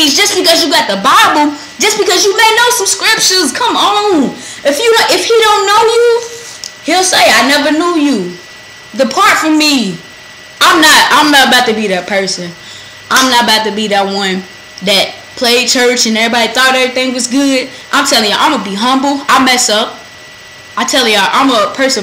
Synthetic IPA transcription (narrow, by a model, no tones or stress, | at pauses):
izd͡ʒʌsb̥ɨkʌzjɨɡɑt̪̚ðəbaɪbl̩̥ˠ | d͡ʒʌsb̥ɨkʌzjɨmeɪnoʊsəb̥skɹɪpʃɨ̃nz̥kʰʌ̃mõʊ̃nɨfjɨɾʔɪfhiɾõʊ̃nːoʊju | hilˠseɪaɪnɛvə˞nuju | ðəpʰɑɹtfʌ̃mːi | ʔãɪ̃mnət̚ãɪ̃mnəɾəbaʊtɨbiðɨt̚pʰɜ˞sɨ̃n | ʔãɪ̃mnəɾəbaʊtɨbiðɨt̚wʌ̃n | ðɨt̚ | pʰl̥eɪd̚t͡ʃʰɜ˞t͡ʃɨ̃nɛvɹibɑɾiθɔɾɾɛvɹiθɪ̃ŋwʌzɡʊd | ʔãɪ̃mtʰɛlˠɪ̃ŋjɨʔã̰ɪ̃məbiɦʌ̃mbl̩ˠaɪmɛsʌp̚ | aɪtʰɛlˠjʔã̰ɪ̃məpʰɜ˞sɨ̃